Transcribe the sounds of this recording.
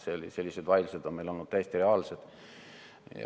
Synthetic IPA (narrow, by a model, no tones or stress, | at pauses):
selise̞lʲːise̞d̪vɑjlused̪onmejlo̞lnud̪̚tæjest̪ire̞ɑːlsed̪̥